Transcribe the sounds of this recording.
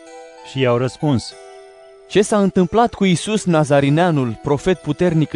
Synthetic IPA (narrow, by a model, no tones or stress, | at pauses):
ʃijawɾəspuns | t͡ʃe̞saɨnt̪ɨmplat̪kuisusnazaɾineanulpɾo̞fe̞t̪̚put̪e̞rnik